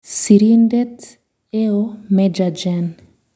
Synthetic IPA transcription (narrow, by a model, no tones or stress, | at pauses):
siɾind̪ɛt̪ | eomɛd͡ʒad͡ʒɛn